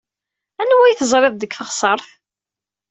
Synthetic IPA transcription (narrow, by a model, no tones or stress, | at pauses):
ænwæjθəzˤɾˤɪðˤd̪əkfəʁsˤəɾˤθ